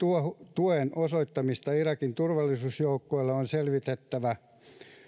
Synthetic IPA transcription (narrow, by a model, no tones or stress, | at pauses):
t̪uot̪uenosoit̪ːɑmist̪ɑirɑkint̪urʋɑlːˑisuːsjoukːoilːɑonselʋit̪et̪ːæʋæ